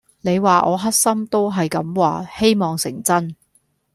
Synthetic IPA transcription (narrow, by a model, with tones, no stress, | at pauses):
ne˨˧jwaː˨ʔɔː˨˧ɦɐ˥t̚sɐ˥mt̪o˥wɦɐ˨jkɐ˨˧˥mwaː˨he˥jmɔː˨˩ŋsɪ̰˨˩ŋt͡sɐ˥n